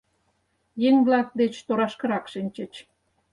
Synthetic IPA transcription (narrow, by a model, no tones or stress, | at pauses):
jeŋβlɑk̚d̪et͡ɕt̪oɾɑʃkə̆ɾɑkʃinʲt͡ɕə̆t͡ɕ